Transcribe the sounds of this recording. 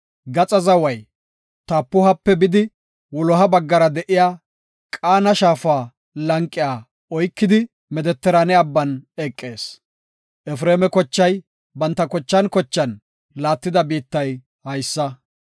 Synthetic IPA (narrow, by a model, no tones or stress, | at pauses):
ɡɐt͡sʼɐzɐwɐj | t̪aːpːʊɦɐpːɛbɪd̪ɪ | wɔlɔɦɐbɐɡːɐɾɐd̪ɛʔɪjaː | kʼaːnɐʃaːfaː | lɐŋkʼːɪjaː | ɔjkːɪd̪ɪ | mɛd̪ɛt̪ːɛɾɐnɛɐbːɐnɛkʼːeːs | ʔɛfɾeːmɛkɔt͡ʃːɐj | bɐnt̪ːɐkɔt͡ʃːɐnkɔt͡ʃːɐn | laːt̪ːɪd̪ɐbiːt̪ːɐj | hɐjsːɐ